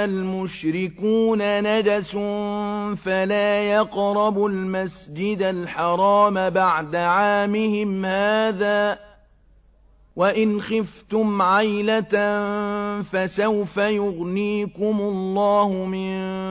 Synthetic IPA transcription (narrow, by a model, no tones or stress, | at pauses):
almʊʃɾɪkuːnanad͡ʒasʊnfalaːjɑqɾˤɑbʊlmasd͡ʒɪd̪alħɑɾˤɑːmabaʕd̪aʕaːmɪhɪmhaːðaː | waʔɪnxɪft̪ʊmʕajlat̪ | fasawfajʊɣniːkʊmʊlˤːɑːhʊmɪn